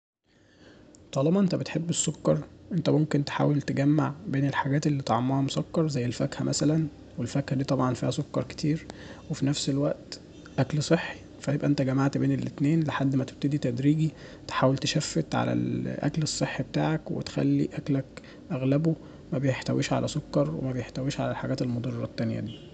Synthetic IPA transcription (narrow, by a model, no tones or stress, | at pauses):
t̪ˤɑːlɑmɑʔent̪æbet̪ħebːesːokːɑɾˤʔent̪æmomkent̪e̥ħa̰ːwelt̪eɡæmːaʕbeːnelħaɡæːt̪elːiːt̪ʕomːɑhɑmosˤɑkːɑɾˤzæjːelfækhæmʔæsælæn | welfækhæd̪iːt̪ˤɑbʕɑnfiːhæsˤokːɑɾˤke̥t̪ʰiːɾwefinæfselwæʔt̪ | ʔæklsˤeħːi̥ | fæjebʔæʔent̪æɡæmaʕt̪beːnelʔet̪neːnleħad̪ːmæt̪e̥b̚t̪ed̪it̪æd̪ɾiːɡi | t̪e̥ħaːwelt̪eʃæfːet̪ʕa̰læ̰lʔæ̰klesˤːeħːibet̪a̰ːʕækwḛt̪e̥xæ̰lːḭʔæklæk | ʔæɣlæbo | mæbejeħt̪æwʔiːʃʕa̰lʔæsokːɑɾˤwḛmæbejeħt̪æwiːʃʕalælħaɡæːt̪elmod̪ˤɑrˤːɑt̪ːænjæ̰d̪iː